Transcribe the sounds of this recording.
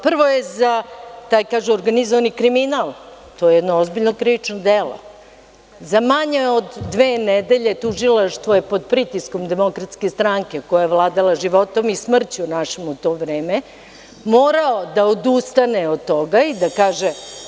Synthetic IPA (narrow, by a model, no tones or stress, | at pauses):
pr̩ʋo̞jezat̪aːjkaːʒuoɾɡanizoʋanikɾiminalˠt̪ojejɛd̪noozbiʎnokɾiʋit͡ʂnod̪elo̰ | zamaɲeod̪ːʋeːned̪eʎe̞t̪uʒilˠaʂt̪ʋojepod̪̚pɾit̪iskomd̪emo̞kɾat̪ske̞st̪ɾaŋke̞kojajeʋlˠaːd̪alˠaʒiʋo̞t̪o̞mismr̩t͡ɕunaʃemut̪o̞ːʋɾeːme | moːɾaod̪aod̪ust̪aneod̪t̪oɡaid̪akaːʒe